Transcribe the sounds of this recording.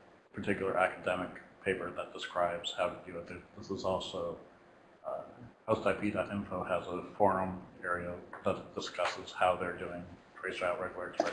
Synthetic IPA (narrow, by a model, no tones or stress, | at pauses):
pʰə˞tʰɪkjl̩ˠə˞ʔækədɛmɨkpʰeɪpə˞ðət̚d̥əskɹaɪbz̥haʊɾɨdɨɨt̪̚ðə˞ðɪsəzɔlˠsoʊ | hoʊstʰaɪpʰidɑɾɪ̃ɱfoʊəzəfɔɹõmɛɹiəðət̚d̥əskʌsɨz̥haʊðə˞dʉɪ̃ŋtʰɹ̥eɪsaʊʔɹɛɡl̩ˠəɹt